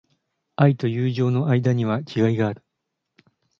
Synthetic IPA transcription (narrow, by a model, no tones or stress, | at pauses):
ait̪o̞jɯːʑo̞ːno̞ʔaid̪aɲ̟iβ̞akʲʰiɡaiɡaːɾɯ̟̥